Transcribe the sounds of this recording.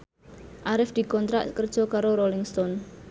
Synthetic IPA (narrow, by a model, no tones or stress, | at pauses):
ʔaɾɪfd̪̥i̤kɔnt̪ɾa̰ʔkərd̥ʒ̥ɔ̤kaɾoɾolɪŋst̪ɔn